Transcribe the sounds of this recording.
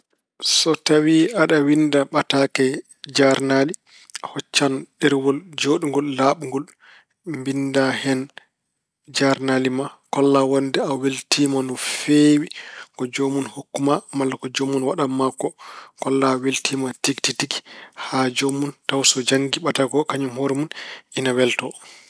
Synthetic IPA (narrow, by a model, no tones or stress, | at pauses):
sɔtawiaɗawindaɓatakɛ | d͡ʒaɾnali | hɔt͡ʃːanɗɛɾwɔld͡ʒoɗuŋɡɔlːaːɓuŋɡɔl | mbindahɛn | d͡ʒaɾnaːlimakɔlːawɔndɛaweltʰiːmanɔfewikɔd͡ʒomunhukːumamalːakɔd͡ʒomːunwaɗamːakːɔkɔlːaweltʰiːmatiktitikhad͡ʒomːuntawsɔd͡ʒaŋɡiɓataɡɔkaɲumhoɾmunʔinawɛltɔ